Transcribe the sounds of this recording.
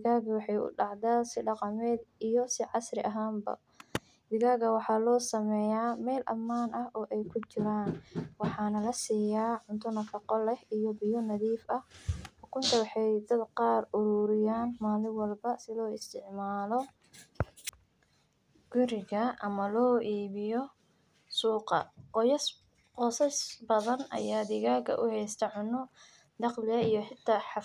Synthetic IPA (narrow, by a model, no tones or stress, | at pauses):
d̪ɪɣaːɡɐwɑħɑjʊ̰ɖɑʕd̪aːsɪɖɑqɑmɛːd̪ijɔsɪʕɑsrɪʔɐɦaːmbɐ̰ | dɪɣaːɣɐwɑħɑːlɔːsɐmɛːjaːmɛːlʔɐ̰mːaːnʔɐhʔɔːʔɛjkʰʊt͡ʃɪɾaːnwɑħɑːnɐlɐsiːjaːʕʊnt̪ʰʊnɐfɑqɔlɛhijɔbɪjɔnɐðiːfɐhħʊkʰʊnt̪ʰɐwɑħɑjd̪ɐd̪qɑːrʊɾuːɾɪjaːnmaːlɪwɑlbɐsɪlɔːɪst̪ʰɪʕmaːlɔ | ɡ̥ʊɾɪɣɐɐmɐlɔːʔiːβɪjɔ | suːqɑ̰qɔjɐs | qɔːsɐsbɐðɐnɐ̰jaːd̪ɪɣaːɡɐ̰ʔʊhɛjst̪ʰɐʕʊnɔ | d̪ɑqlɪɐijɔħɪt̪ʰːɐħɑ